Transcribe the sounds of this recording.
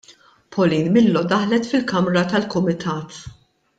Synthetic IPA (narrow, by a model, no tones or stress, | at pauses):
pʰɔliːnmɪlːɔd̪ɐħlɛt̪fɪlkɐmɾɐt̪ɐlkʊmɪt̪ʰɐːt̪